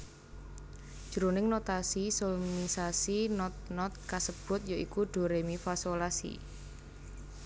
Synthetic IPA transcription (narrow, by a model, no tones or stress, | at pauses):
d̥ʒ̥əɾonɪŋnot̪asisolmisasinɔt̪̚nɔt̪̚kasəb̥ʊ̤t̪̚joʔikuɖ̥o̤ɾemifasolasḭ